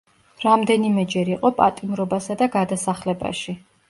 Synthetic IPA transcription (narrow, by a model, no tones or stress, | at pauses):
ɾamd̪ɛnimɛd͡ʒɛɾiqʼɔpʼat̪ʼimɾɔbasad̪aɡad̪asaχlɛba̰ʃi